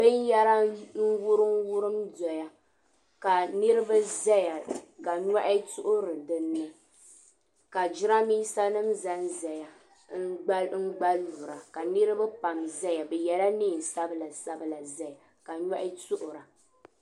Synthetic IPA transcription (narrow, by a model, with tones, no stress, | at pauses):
bɨ˦n˦jɛ˦ɾa˦n̩˦wʊ˦ɾɨ˦m˦wʊ˦ɾɨ˦mdɔ˨ja˨ | ka˨nɨ˦ɾɨ˦ba˦zɛ˦ja˨ka˨ɲa˦ʔɪ˦tʊ˦ʔʊ˦ɾɨ˨dɨ˦nːɨ˦ | ka˨d͡ʒɪ˦ɾa˦miː˦sa˦nɨ˦mza˦n˦zɛ˨ja˨ | ŋ̩˦ɡ͡ba˦ŋ̩˦ɡ͡ba˦lu˨ɾa˨ka˨nɨ˦ɾɨ˦ba˦pa˨mzɛ˦ja˨bɛ˨jɛ˨la˦niː˦˨n˨sa˦bɨ˦la˨sa˦bɨ˦la˨zɛ˦ja˨ | ka˨ɲa˦ʔɪ˦tʊ˦ʔʊ˨ɾa˨